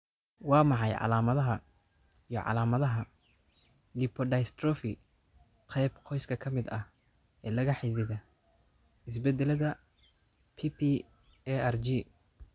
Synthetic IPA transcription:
wɑːmɑħɑjʕɑ̰laːmɐðɐɦɐ | ijɔʕɑ̰laːmɐðɐɦɐ | lɪpʰɔɖɐjst̪rɔfɪ | qʰɛjbqʰɔjskʰɐkʰɐmɪd̪ɐh | ɛːlɐɣɐħiðɪðɐ | ɪs̬bɛd̪ɛlɐðɐ | pʰipʰi | ɛɛrd͡ʒiː

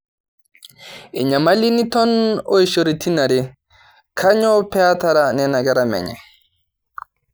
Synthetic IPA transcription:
ɛɲamalinitɔnɔjʃoɾitʰinaɾɛ | kʰaɲɔpɛataɾanɛnaɡaɾamɛ̰ɲɛ̰

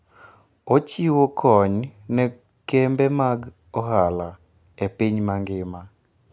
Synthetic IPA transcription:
ot͡ʃiwokʰɔɲnɛ | kɛmbɛmaɡ | ɔɦala | epiɲmaŋɡɪma

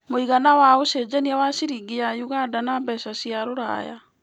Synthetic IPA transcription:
moiɣanawaosed͡ʑɛniawaɕiɾiɡijajuɣadanambɛsasiaɾoɾa̰ja̰

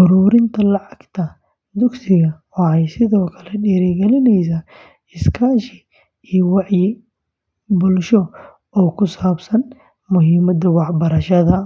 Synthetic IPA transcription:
ʔʊɾuːɾɪnt̪ʰɐlɑʕɑɡt̪ʰɐ | d̪ʊɡsɪɣɐwɑħɑjsɪðɔːkʰɐlɛɖɛːɾɪɡɛlɪnɛjs̬aː | ɪskʰaːʃɪ | iːjwɑħjɪ | bʊlʃɔ | ɔːkʰʊsaːbsɐn | mʊɦɪmɐd̪ɐwɑħbɐɾɐʃɐðɐ

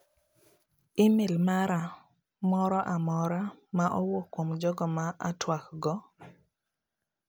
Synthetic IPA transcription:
ɪmelmaɾa | mɔɾɔʔamɔɾamaʔɔwokwomd͡ʒɔɡɔmaʔa̰twakɡɔ

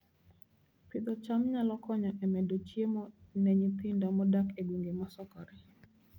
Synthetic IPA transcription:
pid̪ɔt͡ʃamɲalɔkɔɲɔʔɛmɛdot͡ʃjemɔnɛɲipindɔmɔdakeɡwuŋɡemasɔkɔɾi

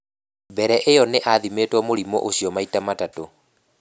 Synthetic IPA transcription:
bɛɾɛʔejɔneʔaðimetwɔmoɾimɔ̰ʔoɕiɔmaitamatato

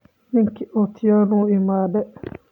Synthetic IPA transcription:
miŋkiʔɔtʰijanuːimaːdɛ

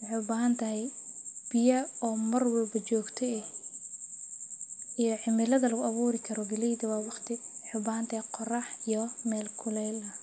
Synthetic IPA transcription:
wɑħɑjʊbaːɦɐnt̪ʰɐɦɛjb̥ɪjɐɔːmɐrwɛlbɐt͡ʃɔːɡt̪ʰɛɛ | ijɔʕɪmɪlɐðɐlɐɣʊɐβuːɾɪkʰɐɾɔbɪlɛjðɐwɑːwɑqt̪ʰɪwɑħʊbaːhɐnt̪ʰɐhɛqɔrɑħijɔmɛːlkʰʊlɛjlɐ

